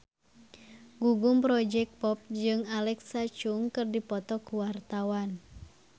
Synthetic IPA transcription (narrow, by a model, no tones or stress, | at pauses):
ɡuɡumpɾɔd͡ʒɛk̚pɔp̚d͡ʒɨŋalɛksat͡ʃuŋkɨrdipɔt̪ɔkuwart̪awan